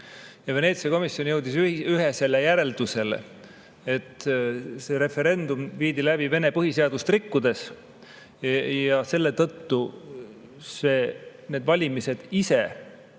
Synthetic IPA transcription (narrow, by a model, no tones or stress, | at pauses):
jɑve̞ne̞ːt̪siɑko̞misːjo̞njɤwd̪isyɦese̞lːejæɾe̞ld̪̥use̞lḛ | et̪ːˑse̞ɾe̞fe̞ɾe̞nd̪umviːd̪ilæbive̞ne̞pɤɦiseɑd̪̥ust̪rikːud̪e̞s | jɑse̞lːe̞t̪ɤt̪ːu | se̞ːne̞ːd̪vɑlʲimise̞d̪̥ise̞